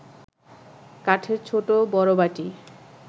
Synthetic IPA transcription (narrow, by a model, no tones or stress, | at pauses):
kaʈʰeɾt͡ɕʰoʈobɔɾobaʈi